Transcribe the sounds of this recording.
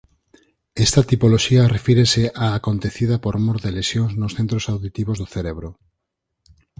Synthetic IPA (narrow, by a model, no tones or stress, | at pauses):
est̪ɐt̪ipoloʃiarefiɾeseʔaːkont̪eθiðapoɾmoɾðelesjõŋznosθẽnt̪ɾosawðit̪iβozðoθeɾeβɾo